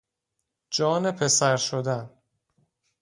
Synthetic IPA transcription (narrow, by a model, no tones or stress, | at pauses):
d͡ʒɒːnepʰe̞sæɾʃod̪æn